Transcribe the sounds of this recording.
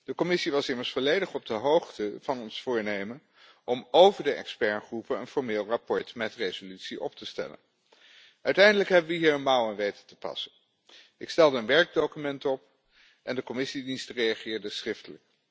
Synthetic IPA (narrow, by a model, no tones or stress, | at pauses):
d̥əkɔmɪsiʋɑsɪməɹsfɔlejdəχɔb̚dəɦowχtəvɑnɔnsfʊːɹnejmən | ʔɔmowvəɹdəɛ̰kspɛɹχrupənənfɔɹmeːlˠrapɔɹtmɛtrejzolytsiʔɔptəstɛ̰lə̰n | ʔœɥtɛjndələkɦɛbəʋəɦiːɹənmawɛnʋejtə̥təpɑ̰sən | ɪkstɛlˠdəːnʋɛɹɡ̚dokymɛntɔp | ʔɛndəkɔmɪsidinstərejaχɪːɹdəsrɪftələk̚